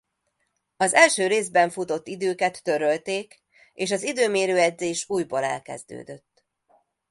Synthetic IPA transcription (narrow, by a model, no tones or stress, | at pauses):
ɒzɛlʃøːɾeːzbɛɱfut̪o̞t̪ːid̪øːkɛt̪ːø̞ɾø̞lt̪eːk | eːʃɒzid̪øːmeːɾøːɛd̪zeːʃuːjbolɛ̰lkɛ̰zd̪ø̰ːd̪ø̞t̪ː